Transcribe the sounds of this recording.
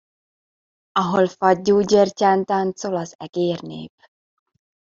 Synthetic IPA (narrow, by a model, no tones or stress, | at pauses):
ɒɦolfɒɟːuːɟercaːnt̪aːnt̪solɒzɛ̰ɡ̥eːrnḛːp